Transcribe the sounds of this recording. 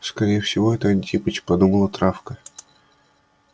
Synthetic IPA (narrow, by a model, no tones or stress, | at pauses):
skɐɾʲejəfsʲɪvo̞ɛt̪əɐnʲtʲipət͡ɕpɐd̪uməlˠət̪ɾafkə